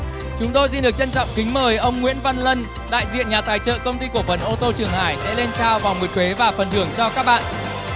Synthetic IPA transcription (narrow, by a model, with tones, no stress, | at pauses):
t͡ɕʊ˨˦ŋ͡mt̪o˧js̬i˧nɗɨ˨˩ək̚t͡ɕə˧nt͡ɕɔ̰˧˨wŋ͡mkï˨˦ŋ̟məː˨˩jʔə˧wŋ͡mŋwḭ˧˥ənva˧nlə˧n | ɗa̰ː˧˨jzḭ˧˨ənɲaː˨˩t̪aː˨˩jt͡ɕə̰ː˧˨kə˧wŋ͡mt̪i˧ku˧˩əfə˨˩nʔo˧t̪o˧t͡ɕɨ˨˩əŋhaː˧˩jsɛ̰˧˥le˧nt͡ɕaː˧wvaː˨˩wmu˨˩t̚t̪ʰwe˨˦vaː˨˩fə˨˩nt̪ɨ˧˩əŋt͡ɕɔ˧kaː˦˥k̚ɓa̰ː˧˨nʔ